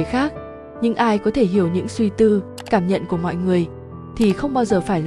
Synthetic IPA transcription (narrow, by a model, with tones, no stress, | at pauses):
əxaː˦˥k̚ | ɲɨ̰˧˥ŋʔaː˧jkɔ˨˦t̪ʰe˧˩ɦi˧˩əwɲɨ̰˧˥ŋswi˧t̪ɨ˧ | kaː˧˩mɲə̰˧˨nku˧˩əmɔ̰˧˨jŋɨ˨˩əj | t̪ʰi˨˩xə˧wŋ͡mɓaː˧wzəː˨˩faː˧˩jl